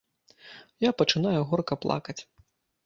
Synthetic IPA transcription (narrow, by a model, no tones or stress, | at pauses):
japɐt͡ʂɨnajuɣɔrkɐplˠa̰kɐt͡sʲ